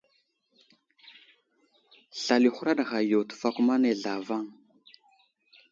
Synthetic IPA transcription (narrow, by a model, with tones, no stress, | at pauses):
ɬa˨li˨xu˦ɾa˦ɗa˨ɣa˨jo˨tu̥˨fa˦kʷu˦ma˦ne˨ɮa˨va˦ŋ